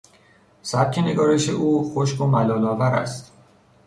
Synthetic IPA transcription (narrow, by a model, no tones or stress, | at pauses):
sæb̚cʲʰe̞ne̞ɡɒːɾe̞ʃe̞̰ʔuːxoʃko̞mælɒːlɒːvæɾæ̰st̪